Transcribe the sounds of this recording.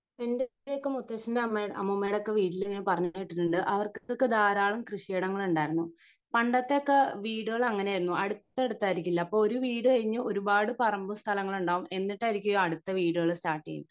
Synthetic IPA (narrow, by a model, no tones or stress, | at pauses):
endeleokːemut̪ːɐɕɐndeɐmːeɐ̰mːumːejɽokːeʋiːʈːileŋːɐnepɐrɐɲːuojiʈːiʈːuɳɖɨʔɐʋɐrkokːed̪aːɾaːɭumkrɨɕjeːɽɐŋːɐɭuɳɖaːjɾunːu | pɐɳɖɐt̪ːe̞okːeʋiːɽɨoɣɐɭɐŋːɐneajiɾunːuʔɐɽut̪ːɐeɽut̪ːaːjiɾikʲːilːɐːpːoɭoɾuʋiːɽɨɐiɲːɨo̞ɾubaːɽɨpɐrɐmbumst̪ʰɐlɐŋːɐɭuɳɖaːʋumʔe̞nːiʈːaːiɾikʲːuɐjoːɐɽut̪ːɐʋiːɽoɣɐɭstaːʈːḭjḭn